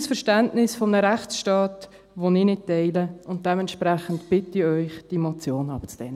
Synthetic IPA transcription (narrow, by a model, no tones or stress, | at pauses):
sfəʃtæntnɪsfɔmnəɾæχt͡sʃtɑːt | ʋoniːnɪt̚tɛɪləʊnt̚d̥ɛmɛntʃpɾæχən̩tb̥ɪtːiœʏχd̥ɛmot͡sjoːnɑbət͡sd̥ɛnə